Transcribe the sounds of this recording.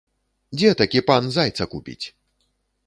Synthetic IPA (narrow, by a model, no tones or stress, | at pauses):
d͡zʲɛt̪akʲipanzajt̪sɐkupʲḭt͡sʲ